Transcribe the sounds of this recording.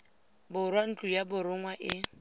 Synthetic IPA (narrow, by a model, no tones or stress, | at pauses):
bʊɾwan̩t͡ɬʼujabʊɾʊŋwaʔɪ